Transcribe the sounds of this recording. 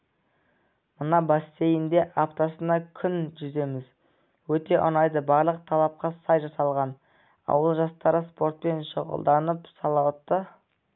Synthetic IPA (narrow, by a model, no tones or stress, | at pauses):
mənɑbɑsːe̞jɪnd̪e̞ʔaft̪osənɑkʲʰʏnʒʏze̞mɪz | wɵt̪e̞ʔʊ̰nɑjd̪əbɑɾlˠəq̚t̪ʰɑlˠɑp̚qɑsɑjʒɑsɑlˠʁɑn | ɑ̰wəlˠʒɑst̪ɑɾəspo̞ɾt̪̚pe̞nʃəʁə̰lˠd̪ɑnəpsɑlˠɑwt̪ːə